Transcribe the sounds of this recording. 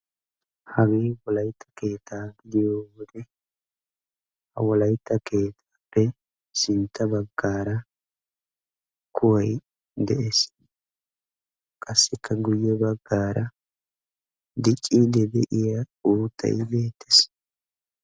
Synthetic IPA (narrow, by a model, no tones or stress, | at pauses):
hɐweːwɔlɐjt̪ʰːɐ̥ke̞ːt̪ʰːaːɡɪd̪ɪjoːwɔd̪ɛ | hɐ̰wɔlɐjt̪ːɐkʰe̞ːt̪ʰaːpːɛ | sɪnt̪ːɐbɐɡːaːɾɐ | kʰʊwɐj | d̪ɛʔes | kʼɐsːɪkʰːɐɡʊjːɛbɐɡːaːɾʔɐ | d̪ɪt͡ʃʼːiːd̪ɛbɛʔɪjɐuːt̪ʰʼːɐ̰jbe̞ːt̪ʰːɛ̥s